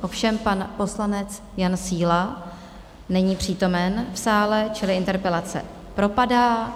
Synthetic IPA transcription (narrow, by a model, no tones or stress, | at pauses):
ʔo̞fʃɛmpanpo̞slanɛt͡s | jansiːla | nɛɲiːpr̝̥iːt̪o̞mɛnfsaːlɛt͡ʃɪlɪʔɪnt̪ɛɾpɛlat͡sɛ̰ | pɾo̞padaː